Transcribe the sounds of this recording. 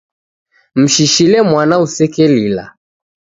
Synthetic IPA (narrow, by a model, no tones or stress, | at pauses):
m̩ʃiʃilɛmwanausɛkɛlila̰